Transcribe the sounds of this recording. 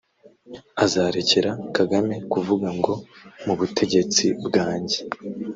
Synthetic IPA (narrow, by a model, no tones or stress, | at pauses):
azaːɾece̞ɾakaɡame̞kuvuɡaŋɡo̞muβutʰe̞ɟe̞t͡sibɡaːɲɟe